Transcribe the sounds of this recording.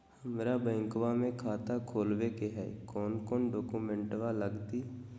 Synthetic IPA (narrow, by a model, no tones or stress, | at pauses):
həmɾabɛ̃ːŋkwamẽkʰaːt̪akʰoːlwekeɦɛ̰ːkɔːnkɔːnɖɔːkuːmẽɳʈʋaləɡt̪iː